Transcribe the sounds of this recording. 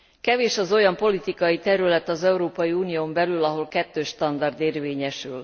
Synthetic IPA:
kɛveːʃɒzo̞jɒmpo̞lit̪ikɒjit̪ɛɾylɛt̪ɒzɛuɾoːpɒjiuːnijoːmbɛlylɒɦo̞lkɛt̪ːøːʃt̪ɒnd̪ɒrd̪eːrveːɲɛʃyl

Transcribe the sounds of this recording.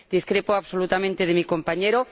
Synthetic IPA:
d̪̥iskɾepoaβsolut̪amẽnt̪eð̞emikompaɲeɾo

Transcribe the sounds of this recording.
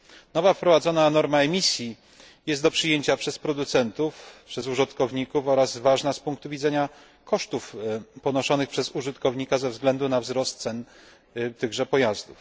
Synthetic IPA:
nɔvafpɾɔvad̪zɔnanɔɾmaɛmʲisʲji | jɛst̪d̪ɔpʂɘjeɲt͡ɕapʂɛspɾɔd̪ut̪sɛnt̪ufpʂɛzuʐɨt̪kɔvɲikufɔɾazvaʐnaspuŋkt̪uvʲid̪zɛɲa | kʰɔʂt̪ufpɔnɔʂɔnɘxpʂɛzuʐɘt̪kɔvɲikazɛvzɡlɛnd̪unavzɾɔst̪̚sɛn | t̪ɘɣʐɛpɔjazd̪uf

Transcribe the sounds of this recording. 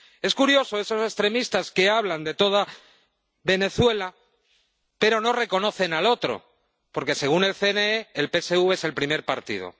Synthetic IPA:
e̞skuɾjo̞soe̞sose̞st̪ɾe̞mist̪aske̞aβ̞land̪e̞t̪o̞ð̞a | βe̞ne̞θwe̞la | pe̞ɾo̞no̞re̞ko̞no̞θe̞nalo̞t̪ɾo̞̰ | po̞ɾke̞se̞ɣ̞une̞lθe̞neeːlpe̞se̞uβeese̞lpɾime̞ɾpaɾt̪ḭð̞o̰

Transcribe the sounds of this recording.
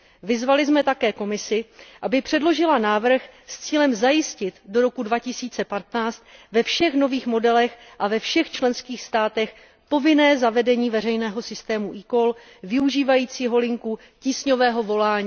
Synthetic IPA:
vɪzvalɪzmɛt̪akɛːko̞mɪsɪʔabɪpr̝̥ɛdlo̞ʒɪlanaːvr̩xst͡siːlɛmzajɪscɪt̪do̞ɾo̞kudvacɪsiːt͡sɛpat̪naːt͡st̪vɛfʃɛxno̞viːxmo̞dɛlɛxʔavɛfʃɛxt͡ʃlɛnskiːxst̪aːt̪ɛx | po̞vɪnɛːzavɛdɛɲiːvɛrɛjnɛːɦo̞sɪst̪ɛːmuʔikol | vɪuʒiːvajiːt͡siːɦo̞lɪŋku | ciːsɲo̞vɛːɦo̞vo̞laːɲiː

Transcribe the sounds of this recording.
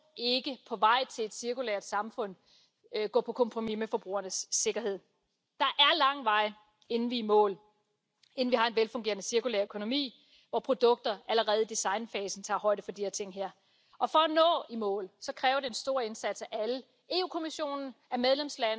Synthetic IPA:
e̝ɡ̥əpʰɒ̽ʋɑ̈ɪ̰t͡sʰe̝le̝d̥siɐkulḛɐd̥sɑ̈mfɔ̽n̰ | ɡ̥ɔ̰̽ːpʰɒ̽kʰɒ̽mpʰʁomimefɒ̽b̥ʁṵːɐnəsːe̝ɡ̥ɐhe̝ð̰ˠ | d̥ɑ̈ʔæɐlɑ̈ŋ̰ʋɑ̈ɪ̰ | e̝nn̩ʋiːmɔ̰̽ːl | e̝n̩ʋihɑ̈e̝nʋelfɔ̽ŋɡe̝ːɐnəsiɐkulḛːɐøkʰo̝no̝mḭː | ʋɒpʰʁo̝d̥ɔ̽ɡ̥̚d̥ɐæləʁɛːð̞̩ˠd̥isɑ̈ɪnfɛːsn̩t͡sʰɑ̰̈ːɦɒ̽ɪ̰ɾ̥əfɒ̽d̥iheɐt͡sʰe̝ŋ̰ɦæɐ̰ | ɒ̽fɒ̽ːnɔ̰̽ːimɔ̰ːlsɒ̽kʰʁɛːʊɐɾe̝ensd̥o̝ɐ̰e̝nsæd̥sæʔælə | e̝ːṵːkʰomiɕo̝̰ːnn̩æmeðˠlemslæn

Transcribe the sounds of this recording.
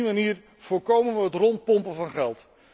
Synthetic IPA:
imaniːr | v̥ʊːɹkowmənʋəɦətrɔnt̚pɔmpəvɑnχɛlˠt

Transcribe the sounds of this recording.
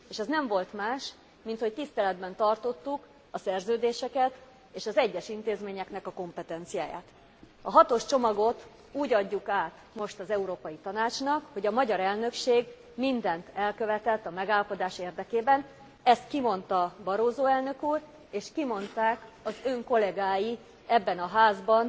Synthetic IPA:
eːʃɛznɛɱvo̞lt̪maːʃ | mint̪ho̞c̚t̪ist̪ɛlɛd̪bɛnt̪ɒrt̪o̞t̪ːuk | ɒsɛrzøːd̪eːʃɛkɛt̪ | eːʃɒzɛɟːɛʃint̪eːzmeːɲɛknɛkɒko̞mpɛt̪ɛnt̪sija̰ːja̰ːt̪ | ɒɦɒt̪o̞ʃt͡ʃo̞mɒɡo̞t̪ | uːɟɒɟːukaːt̪ | mo̞ʃt̪ɒzɛuɾoːpɒjit̪ɒnaːt͡ʃnɒkho̞ɟɒmɒɟɒɾɛlnø̞kʃeːɡ | mind̪ɛnt̪ɛlkø̞vɛt̪ɛt̪ːɒmɛɡaːlɒpo̞d̪aːʃeːrd̪ɛkeːbɛn | ɛst̪kimo̞nt̪ɒbɒɾoːzoːɛlnø̞kuːr | eːʃkimo̞nt̪aːkɒzøŋko̞lɛɡaːji | ɛbːɛnɒɦaːzbɒn

